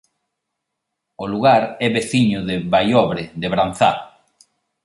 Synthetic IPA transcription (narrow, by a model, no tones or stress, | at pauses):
ʊluɣaɾɛβeθiɲʊðɪβajɔβɾɪðeβɾan̟θa